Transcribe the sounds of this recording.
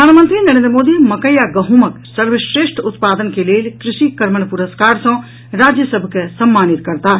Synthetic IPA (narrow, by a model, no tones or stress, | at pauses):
əaːnmə̃nt̪ɾinɐɾẽnd̪ɾəmoːd̪imɐkəjaɡɐɦumək | səɾʋeʃɾeːʃʈʰʊt̪paːd̪ənkeleːlkɾɪʃikəɾməɳpʊɾəskaːɾsɐ̃ | ɾaːd͡ʒjəsəbʱkesɐmːaːnɪt̪kɐɾt̪aː